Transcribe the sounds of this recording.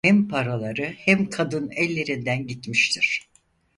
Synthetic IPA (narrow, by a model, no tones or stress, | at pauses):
hɛmpʰaɾalˠaɾɯhɛmkʰad̪ɯnɛlʲːe̞ɾind̪ænɟit̪miʃt̪ʰiɾ̥